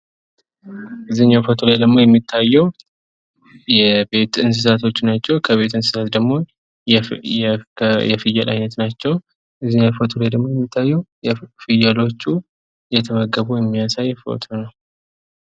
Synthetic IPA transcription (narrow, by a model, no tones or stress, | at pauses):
ʔɨzɨnafot̪ʰolajd̪əɡmo̞jɛmːit̪ʰːajːɛw | jɛbe̞t̪ɨns̬ɨsat̪ʰo̞t͡ʃːnat͡ʃːɛwkʰəβe̞t̪ɨnsɨ̥sat̪d̪əɡmo̞ | jɛfɨjːalʔa̰jnət̪nat͡ʃːɛw | ʔɨzːɨɲafot̪ʰolajd̪əɡmo̞jɛmːit̪ʰːajːɛwjɛfɨjalo̞t͡ʃːu | jɛt̪ʰəməɡːəβujɛmːijasajːfo̰t̪ʰonəw